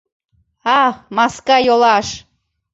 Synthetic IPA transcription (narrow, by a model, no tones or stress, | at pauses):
ɑmɑskɑjolɑʃ